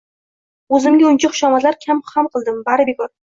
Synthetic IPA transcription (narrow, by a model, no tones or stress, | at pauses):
ɵzɪmɡʲaʊnt͡ʃʰaχʊ̥ʃamazlaɾkʲʰamχamqɨlˠd̪ɪmbaɾɪbekɒɾ